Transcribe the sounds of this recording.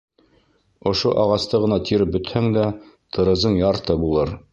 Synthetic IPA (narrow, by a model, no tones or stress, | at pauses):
ŏʃoʔɑʁɑst̪ɤʁɤ̆nɑt̪ʰiɾɘp̚bɵ̆t̪hæŋd̪æt̪ʰɤ̆ɾɤ̆zɤɴjɑɾt̪ɤbulˠɤɾ